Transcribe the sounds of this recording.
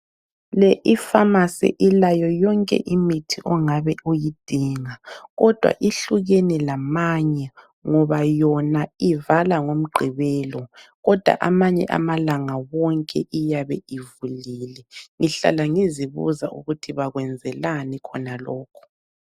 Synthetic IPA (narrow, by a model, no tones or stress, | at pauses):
lɛʔifamasɛ̰ʔilajɔjɔŋkʼɛ̰ʔimitʰiʔɔŋaβɛʔojid̥ʱiŋaɣɔd̥ʱwa̰ʔiɬuɣenilamaɲɛ | ŋɔβajɔnaivalaŋom̩ɡ͡ǃʱiβɛːlɔɣɔd̥ʱwa̰ʔamaɲɛ̰ʔa̰malaŋawɔŋkʼɛʔijaβɛivuliːlɛŋiɬa̰laŋiziβṵzaʔṵɣutʰiβaɣwɛnd͡zʱɛlanɛkʰɔnalɔːkʰɔ̥